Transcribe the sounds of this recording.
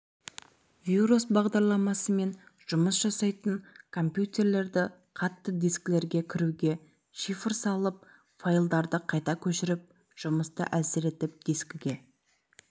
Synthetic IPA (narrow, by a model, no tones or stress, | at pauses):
vʲiɾusbɑʁd̪ɑɾlˠɑmɑsəme̞nʒ̥ʊməsʒ̥ɑsɑjt̪əŋkʰo̞mpjut̪ʲe̞ɾle̞ɾd̪ɪ | qʰɑt̪ːəd̪iskle̞ɾɡʲe̞kʲʰɪɾuɡʲe̞ | ʃifəɾsɑlˠəp̚ | fojlˠd̪ɑɾd̪əqʰɑjt̪ɑkʲʰɵʃɪɾɪp̚ | ʒ̥ʊməst̪ə̰ʔæsɪɾe̞t̪ɪp̚d̪̥iskʲɪɡʲe̞